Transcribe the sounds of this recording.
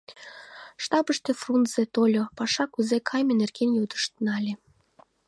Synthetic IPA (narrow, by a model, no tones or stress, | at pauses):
ʃt̪ɑbəʃt̪efrunz̥et̪olʲopɑʃɑkuzekʰɑjmʲenerkenjod̪ə̥ʃt̪nɑlʲe